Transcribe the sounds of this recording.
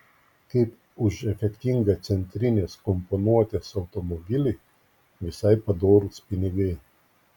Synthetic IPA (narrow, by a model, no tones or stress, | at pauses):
kɐɪp | ʊʃɛfʲɛkt̪ʲiŋɡɐt̪sʲɛnʲt̪ʲɾʲɪnʲeːskɔmpɔnuɔt̪ʲesɐʊt̪ɔmɔbʲɪlʲɛɪ | ʋʲɪsɐɪpɐd̪oːɾʊspʲɪnʲɪɡɐɪ